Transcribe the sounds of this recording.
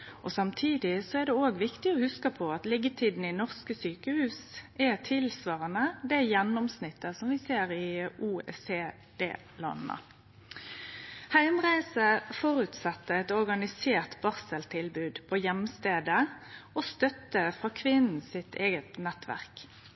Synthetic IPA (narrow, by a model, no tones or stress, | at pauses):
ʔɔsɑmt̪ʰiːd̪ɪsɔæʁd̪ɛoːɡʋɪkt̪ɪɔhʉskəpʰɔɑt̪lɪɡət̪ʰiːd̪n̩ɪnɔʁskəsyːkəhʉːsʔɛt̪ʰɪlsʋɑːʁənəd̪ɛjɛnːɔmsnɪt̪ːəsɔmʋɪseːɾɪʔuːɛ̰seː | d̪̥ḛː | lɑ̰nːə̰ | hæɪmʁæɪsəfɔɾʉːt̪sɛt̪ːəɛt̪ɔʁɡɑnɪseːʁt̪bɑʁsəlt̪ʰɪlbʉːd̪pʰɔjɛmst̪eːd̪əɔst̪œt̪ːəfʁɑːkʰʋɪnn̩sɪt̪eːɡət̪nɛt̪ʋæ̰ʁk